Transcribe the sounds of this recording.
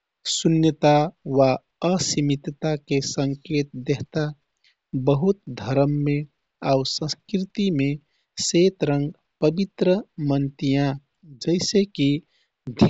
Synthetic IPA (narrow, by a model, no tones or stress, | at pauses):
sunjət̪aʋa | əsimit̪t̪akesəŋket̪̚d̪eɦt̪a | bəɦut̪d̪ʱəɾəmːe | ausə̃skɾit̪ime | set̪ɾəŋɡ | pəbit̪ɾəmənt̪ijã | d͡ʒəɪseki | d̪ʱ